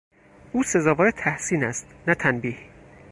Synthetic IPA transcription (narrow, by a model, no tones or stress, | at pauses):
ʔuːse̞zɒːvɒːɾet̪ʰæhsiːnæst̪næt̪ʰænbiːh